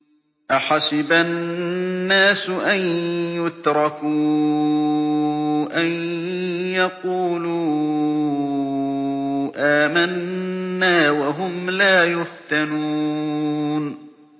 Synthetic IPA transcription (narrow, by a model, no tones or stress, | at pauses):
ʔaħasɪbaː | aːsʊʔanjʊt̪ɾˤɑkuː | ʔan | jɑquːluː | ʔaːmanːaːwaɦʊmlaːjʊft̪anuː | n